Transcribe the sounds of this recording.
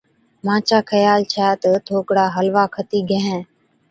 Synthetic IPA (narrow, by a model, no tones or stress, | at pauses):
mãːt͡ʃaːkʰəjaːlt͡ʃʰaːt̪ət̪ʰoːkɽaːɦəlʋaːkʰət̪iːɡʱə̃ɦɛ̃ː